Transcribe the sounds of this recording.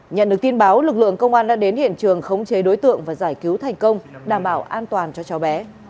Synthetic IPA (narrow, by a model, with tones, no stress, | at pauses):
ɲə̰˧˨nɗɨ˨˩ək̚t̪i˧ənɓaː˨˦wlɨ˨˩k̚lɨ̰˧˨əŋkə˧wŋ͡mʔaː˧nɗa̰ː˧˥ɗe˨˦nhḭ˧˨ənt͡ɕɨ˨˩əŋxə˧wŋ͡mt͡ɕe˨˦ɗo˨˦jt̪ɨ̰˧˨əŋvaː˨˩zaː˧˩jki˨˦wt̪ʰa˨˩jŋ̟kə˧wŋ͡mɗaː˧˩mɓaː˧˩wʔaː˧nt̪waː˨˩nt͡ɕɔ˧t͡ɕɔ˨˦wɓɛ˨˦